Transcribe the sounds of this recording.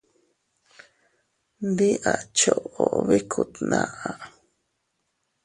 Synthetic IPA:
nd̪i˦ʔa˨t͡ʃo˨ʔo˨βi˦kʰu˨t̪nã˨ʔa˨

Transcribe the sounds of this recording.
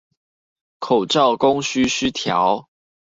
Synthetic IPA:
kʰo˨˩ʊʈ͡ʂɑ˥˨ʊko˦ŋɕy˥ɕy˦˥t̪ʰjɑ̰˨˦ʊ

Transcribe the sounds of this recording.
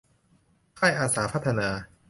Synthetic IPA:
kʰaː˥˩jʔaː˧saː˩˦pʰa˦˥t̪ʰːa˧naː˧

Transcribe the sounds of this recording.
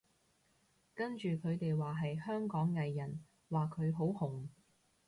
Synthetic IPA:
kɐ˥nt͡ʃyː˨kʰɵ˨˧ɥt̪e˨jwaː˨˩ɦɐ˨jhœː˥ŋkɔː˨˥ŋːɐ˨jːɐ˨˩n | waː˨kʰɵ˨˧ɥɦo˨˥whʊ˨˩ŋ

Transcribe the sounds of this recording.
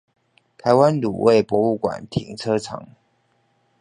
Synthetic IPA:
t̪ʰa˧˥ɪwa˦nlṵ˨˩wʔe˥˩ɪpwɔ˧˥u˥˩kwa̰˨˩nt̪ʰḭ˨˩ŋt͡sʰɤ˥ʈ͡ʂʰɑ̰˨˧˥ŋ

